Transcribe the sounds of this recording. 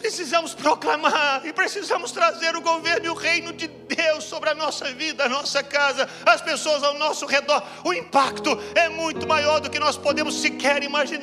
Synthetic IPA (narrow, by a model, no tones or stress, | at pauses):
pɾesizɐ̃mʊspɾoklamaɾɪpɾesizɐ̃mʊst̪ɾazeɾʊɡoveɾnʊɪʊʁejnʊd͡ʒɪd̪ewsːobɾɪɐnɔsɐvid̪ɐɐnɔsɐkazɐ | ɐspesoɐzawnɔsʊhed̪ɔɾ | ʊĩpakt̪ʊɛmũj̃t̪ʊmajɔɾd̪ʊkɪnɔspod̪ẽmʊsːɪkɛɾimaʒĩn